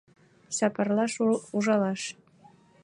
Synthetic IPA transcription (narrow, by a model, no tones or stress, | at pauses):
sɑpɑrlˠɑʃuʒɑlˠɑʃ